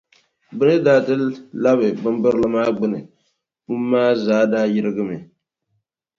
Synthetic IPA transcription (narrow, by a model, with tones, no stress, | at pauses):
bɨ˦nɨ˦daː˨˦tɨ˦la˦bɨ˨bɨ˦mbɨ˦ɾlɨ˦maː˦ɡ͡bɨ˦nɨ̰˨ | mu˦mːaː˦zaː˨˦daː˦jɪ˦ɾɨ˦ɡɨ˦mɨ˨